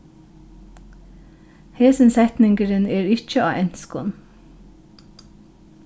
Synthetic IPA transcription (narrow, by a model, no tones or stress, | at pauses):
heːsənsɛt̪nɪŋɡəɾəneːɹɪc͡çəʔɑ̰ːʔɛnskʊ̰n